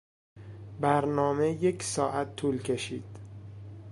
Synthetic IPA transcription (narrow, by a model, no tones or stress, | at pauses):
bæɾnɒːme̞je̞cʰsɒːʔæt̪ʰːuːlcʰe̞ʃḭːd̪̥